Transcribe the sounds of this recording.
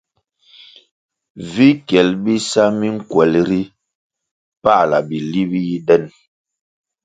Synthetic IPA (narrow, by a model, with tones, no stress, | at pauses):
vi˦kɛ˨lbi˦sa˦mi˦ŋ̩˦kwɛ˨lɾi˦ | pa˦˨la̰˨bi˨li˦bi˦ji˦dɛ˦n